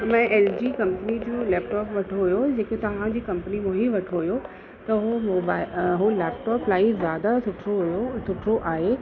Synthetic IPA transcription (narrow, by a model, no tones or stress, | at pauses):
mɛ̃ːʔeːld͡ʑiːkɐ̃mpənid͡ʑoːlɛːpʈɔːpʋɐʈʰoɦʊjod͡ʑeːkot̪ɐʋ̤ãd͡ʑiːkɐ̃mpənimõɦiʋɐʈʰoɦujo | t̪ɐɦomoːbaːɦoleːp̚ʈɔːplaːizjaːd̪asʊʈʰɾoɦjosʊʈʰɾoʔaːɦe